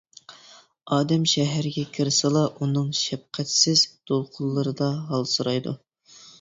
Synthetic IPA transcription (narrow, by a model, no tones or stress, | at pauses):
ɑːd̪ɛmʃɛɦæɾɪɡʲɛkʲʰɪɾsɨlˠɑʔunɨŋʃɛp̚qʰæt̪sɪzd̪̥olˠqʰʊlˠːɨɾɨd̪ɑɦɑlˠsuɾɑjd̪ṵ